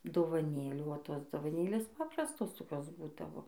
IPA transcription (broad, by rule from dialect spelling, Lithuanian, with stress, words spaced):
doːʋɐˈnʲeːlʲuː oː ˈtoːs doːʋɐˈnʲeːlʲeːs ˈpɑːprɐstoːs toːˈkʲoːs ˈbuːdɐʋoː